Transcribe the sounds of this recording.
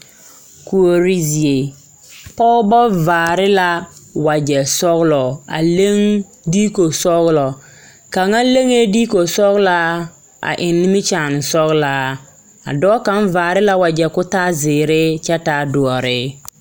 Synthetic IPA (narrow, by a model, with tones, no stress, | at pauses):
ku˨o˨ɾi˦zi˨e˨ | pɔ˦bɔ˦vaː˨ɾɪ˦la˦wa˨d͡ʒɛ˨sɔ˦ɣlɔ˨a̰˨le˦ŋ | di˦ko˨sɔ˦ɣlɔ˨ | ka˨ŋa˦le˦ŋe˦diː˦ko˨sɔ˦ɣla˦ | a̰˨ʔɪ˨nːɪ˦mɪ˦t͡ʃaː˨n˨sɔ˦ɣlaː˦ | a̰˨dɔː˦ka˦nvaː˨ɾɪ˦la˦wa˨d͡ʒɛ˨kʊ˦taː˦zɪː˨ɾɪ˦t͡ʃɛ˦ta˦dʊ˨ɔ˨ɾɪ˦